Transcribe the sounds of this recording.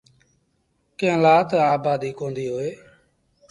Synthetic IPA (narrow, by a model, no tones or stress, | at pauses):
kẽlaːt̪ːaːbaːd̪iːkõːnd̪iːɦoːeː